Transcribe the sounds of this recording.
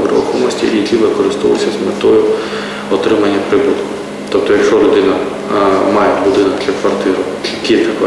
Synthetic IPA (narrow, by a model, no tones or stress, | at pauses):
ʋɾɔ̰xɔmɔsʲtʲḭikʲiʋɪkɔɾɪst̪ɔʋʊ̰sʲɐzmet̪ɔjʊ | ɔt̪ɾɪmɐnʲːɐpɾɪbut̪kʊ̥ | t̪ɔp̚t̪ɔjɐkʃt͡ʃɔlʲʊd̪ɪnɐ | mɑjɛbʊd̪ɪnɔktʲɐkʋɐrt̪ɪɾʊkʲit̪ʲɐk